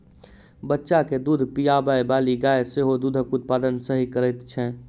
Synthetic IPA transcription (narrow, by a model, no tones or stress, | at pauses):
bətːʃaked̪ud̪ʱpijabajbaːliɡaːeseɦod̪uːd̪ʱəkʊt̪̚paːd̪ənsəɦikəɾɛt̪t͡ʃʰɛ